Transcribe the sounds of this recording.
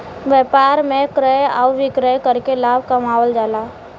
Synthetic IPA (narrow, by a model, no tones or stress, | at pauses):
ʋjɛːpaːɾmẽkɾəjaʋɪkɾəjkəɾkelaːb̚ʱkəmaːwəld͡ʒaːlaː